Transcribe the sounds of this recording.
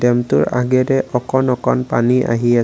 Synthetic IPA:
dɛmtʊɹaɡɛdɛʔɔkɔnɔkɔnpaniʔa̰ɦia

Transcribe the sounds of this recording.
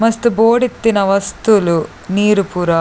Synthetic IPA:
mɐst̪uboːɽit̪ːinɐʋɐst̪ulu | niːɾupuɾɐ

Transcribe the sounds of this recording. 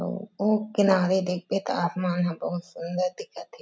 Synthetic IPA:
o̰oːkɪnaːɾed̪eːk̚ʰbeːt̪aːsmaːnɦɐ̃bɐɦʊt̪sʊnd̪əɾd̪ɪkʰət̪ʰe

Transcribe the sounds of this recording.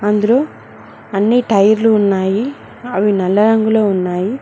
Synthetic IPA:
ɐnd̪ulo̞ː | ɐnːiʈɐjɐɾluːnːaːji | ɐʋinɛlːɐɾɐŋɡuloːunːaːji

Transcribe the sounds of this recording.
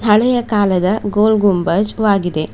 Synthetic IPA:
t̪ʰɐɭɛjɐkaːlɐd̪ɐɡoːlɡumbɐd͡ʒʋaːɡid̪e̞

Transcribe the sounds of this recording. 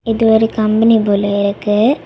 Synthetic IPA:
ɪðɯʋɐɾikɐmbɐniboloɪɾɯkːɯ

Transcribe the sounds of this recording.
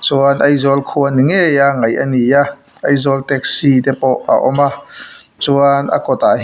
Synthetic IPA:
t͡suənʔɐjzɔlkʰuəniŋejaŋɐjʔɐnijaʔɐjzɔlt̪ɛk̚sid̪ɛpɔʔa̰ʔɔmat͡suənʔɐ̰kɔt̪a

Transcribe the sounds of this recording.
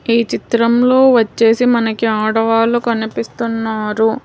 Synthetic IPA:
iːt͡ʃit̪ɾɐmlo̞ːʋɐt͡ʃːe̞ːsimɐnɐkiaːɽɐʋaːlukɐnipist̪unːaːɾu

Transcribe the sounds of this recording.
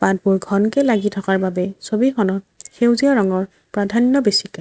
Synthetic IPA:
pad̚bʊɹɡʱɔnkɛlaɡitʰɔkaɹbabɛsobixʰɔnɔ | xewziɔɹɔŋɔɹ | pɹadʱanjɔbesika

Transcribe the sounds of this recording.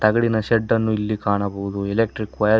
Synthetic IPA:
t̪ɐɡɐɽinɐʃeɖːɐnːuilːikaːɳɐbɐɦud̪uɛlek̚ʈɾikʋɐjɐ

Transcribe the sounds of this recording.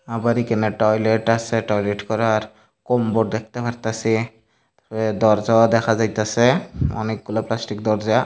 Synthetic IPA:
abaɾikɛnɛʈɔjleʈasɛʈɔjleʈkɔɾaɾ | kɔmbɔɾ̚d̪ɛk̚ʰt̪apʰaɾt̪asi | t̪aɛd̪ɔɾzad̪ɛkʰazajt̪asɛɔ̰nek̚ɡulaplasʈik̚d̪ɔɾza

